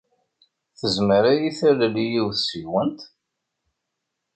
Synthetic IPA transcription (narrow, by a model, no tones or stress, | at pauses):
θəzməɾajiθælælijiwθsiwənt̪